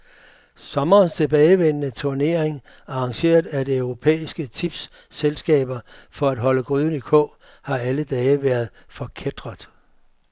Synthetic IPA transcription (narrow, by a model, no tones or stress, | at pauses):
sɒ̽mɐːnst͡sʰe̝b̥ɛːɪʋen̰ənət͡sʰoɐne̝ɐeŋ | ɑ̈ɑ̈ŋɕe̝̰ːɐðˠæd̥e̝œʊʁo̝pʰḛːisɡ̥ət͡sʰib̥sː | elsɡ̥ɛ̰ːb̥ɐfɒ̽æd̥ɦɒ̽ləɡ̥ʁyðˠn̩ikʰɔ̽ | hɑ̈æləd̥ɛːəʋæːɐðˠfɒ̽kʰed̥ʁɐðˠ